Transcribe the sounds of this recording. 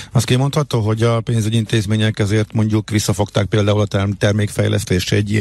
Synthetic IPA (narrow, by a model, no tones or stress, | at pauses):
ɒst̪kimo̞nt̪hɒt̪oːɦo̞ɟɒpeːnzyɟiint̪eːzmeːɲɛkɛzeːrt̪mo̞ɲɟukʋisːɒfo̞k̚t̪aːk̚peːld̪aːulɒt̪ɛrt̪ɛrmeːkfɛ̰jlʔɛ̰st̪eːʃɛɟi